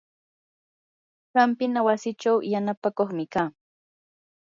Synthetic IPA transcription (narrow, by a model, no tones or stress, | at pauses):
ɢɑmpɪnawasɪt͡ʃawjanapakoχmɪkaː